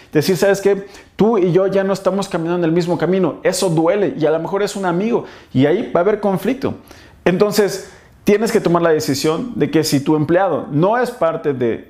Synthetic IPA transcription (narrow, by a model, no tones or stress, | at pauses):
d̪̥e̞siɾsaβe̞ske̞t̪uiʝo̞ʝanoe̞st̪amo̞skamĩnanonelmizmo̞kamĩno̞e̞so̞ðwe̞le̞ʔialome̞xo̞ɾe̞sunamiɣo̞iaibaːβe̞ɾko̞ɱflik̚t̪o̞̰ | ent̪o̞nse̞s | t̪je̞ne̞ske̞t̪o̞maɾlaðe̞sisjo̞nd̪e̞ke̞sit̪ue̞mpleaðo̞̰no̞e̞spaɾt̪e̞ðe̞̰